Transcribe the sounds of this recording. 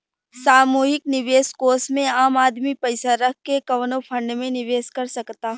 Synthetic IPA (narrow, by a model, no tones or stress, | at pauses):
saːmuːɦɪknɪʋeːskoːsmẽaːmaːd̪mipɐɪsaɾɐk̚ʰkːekɐʋnõpʰɐ̃ɳɖmẽnɪʋeːskɐɾsɐkt̪aː